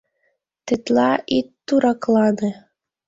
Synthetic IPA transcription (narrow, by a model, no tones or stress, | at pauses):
t̪et̪lɑʔit̪ːuɾɑklˠɑne